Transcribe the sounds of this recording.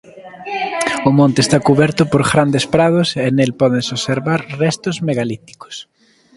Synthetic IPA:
ʊmõnt̪est̪akuβɛɾt̪ʊpoɾɣɾand̪espɾað̞ʊsenelpɔðeŋsoseɾβaɾrɛst̪ʊzmeɣalit̪i̥kʊ̥s

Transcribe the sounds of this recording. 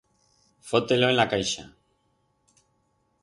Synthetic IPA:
fo̞t̪e̞lo̞enlakajʃa̰

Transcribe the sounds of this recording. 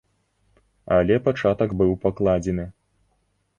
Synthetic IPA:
alʲɛpat͡ʂat̪ɐɡbɨwpaklˠad͡zʲɛnɨ

